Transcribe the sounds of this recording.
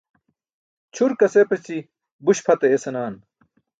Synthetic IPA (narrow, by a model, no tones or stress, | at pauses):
t͡ɕʰuɾkɐsepɐt͡ɕi | buɕpʰɐt̪ɐesɐnaːn